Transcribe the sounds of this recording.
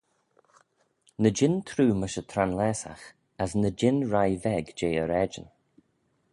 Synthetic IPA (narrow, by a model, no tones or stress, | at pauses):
nəd͡ʒɪnt̪ʰɾuːməʃət̪ʰɾanlɛːsa̰x | asnəd͡ʒɪnɹajvɛɡd͡ʒeːəɾɛd͡ʒə̰n